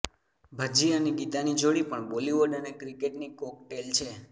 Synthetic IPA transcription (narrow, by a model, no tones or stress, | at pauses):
bʱəd͡ʒianiɡit̪anid͡ʒoɽipəɳboliʋoɖənekɾikeʈnikɔk̚ʈelt͡ʃʰe